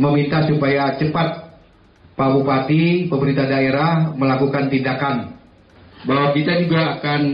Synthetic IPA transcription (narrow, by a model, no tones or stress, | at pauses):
məmint̪asupajat͡ʃəpat̪̚ | pabupat̪ipəmbəɾint̪adaeɾahməlakukant̪indakan | baɦwakit̪ad͡ʒuɡaːkan